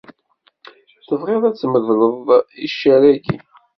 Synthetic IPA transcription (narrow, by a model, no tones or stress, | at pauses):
θəvʁeðˤæt͡sːməðləðˤiʃːæɾæɡḭ